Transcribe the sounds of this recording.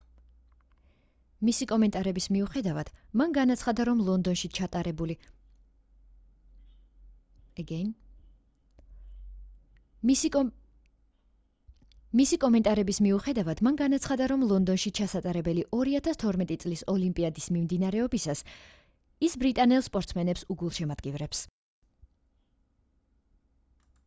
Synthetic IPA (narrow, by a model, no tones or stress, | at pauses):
misikʼɔmɛnt̪ʼaɾɛbismiuχɛd̪avad̪̥manɡanat̪sʰχad̪aɾɔmlˠɔnd̪ɔnʃit͡ʃʰat̪ʼaɾɛbuli | ɡɛn | misikʼɔmɛnt̪ʼaɾɛbismiuχɛd̪avad̪̥manɡanat̪sʰχad̪aɾɔmlˠɔnd̪ɔnʃit͡ʃʰasat̪ʼaɾɛbɛliʔɔɾiat̪ʰast̪ʰɔɾmɛt̪ʼit̪sʼlisɔlimpʼiad̪ismimd̪inaɾɛɔbisas | isbɾit̪ʼanɛlˠspʼɔɾt̪sʰmɛnɛpsuɡulˠʃɛmad̪̥̚ɡivɾɛps